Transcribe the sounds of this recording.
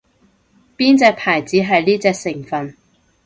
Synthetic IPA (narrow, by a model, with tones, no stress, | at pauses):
piː˥nt͡sɛː˧k̚pʰaː˨˩jt͡siː˨˥ɦɐ˨jliː˥t͡sɛː˧k̚sɪ˨˩ŋfɐ˨n